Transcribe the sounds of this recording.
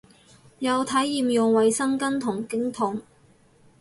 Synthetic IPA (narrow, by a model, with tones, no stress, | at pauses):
jɐ˨˧wt̪ʰɐ˨˥jːiː˨mjʊ˨ŋwɐ˨˧jsɐ˥ŋkɐ˥nt̪ʰʊ˨˩ŋkɪ˥ŋt̪ʰʊ˨˥ŋ